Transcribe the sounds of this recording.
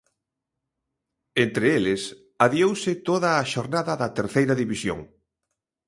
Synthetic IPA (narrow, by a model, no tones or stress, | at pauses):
ent̪ɾeelɪs | aβjowsɪt̪oðɐːʃoɾnaðɐðɐt̪eɾθejɾɐðiβisjo̰ŋ